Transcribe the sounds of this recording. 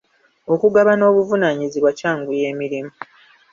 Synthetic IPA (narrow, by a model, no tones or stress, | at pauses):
o̞kuɡaβano̞ːβuvunaːɲiziβwacaːŋɡuje̞ːmiɾimu